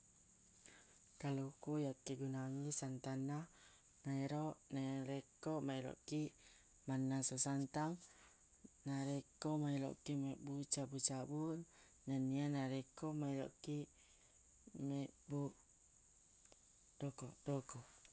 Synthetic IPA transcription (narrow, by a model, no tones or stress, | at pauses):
kalukujakːiɡunaŋisant̪ana | naiɾoʔnaɾekomaiɾo̰ʔki | manːasosant̪aŋ | naɾekomailo̰ʔkimebut͡ʃabut͡ʃabu | nanianaɾekomailo̰ki | mɛbu | dokodoko